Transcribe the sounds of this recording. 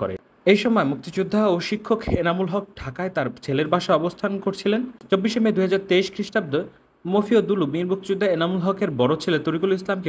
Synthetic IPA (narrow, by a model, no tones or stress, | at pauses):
ko̰ɾḛ | ejʃɔmɔemuk̚t̪id͡ʑud̪ʱːaoʃikʰːokenamulɦɔk̚ʈʰakaet̪aɾt͡ɕʰeleɾbaʃaɔbost̪ʰankoɾt͡ɕʰilent͡ɕobːiʃemed̪uɦad͡ʑaɾt̪eiʃkɾiʃʈab̚d̪o | mofiod̪ulumiɾmuk̚t̪id͡ʑud̪ʱːaenamulɦɔkeɾbɔɾot͡ɕʰelet̪oɾikulislamke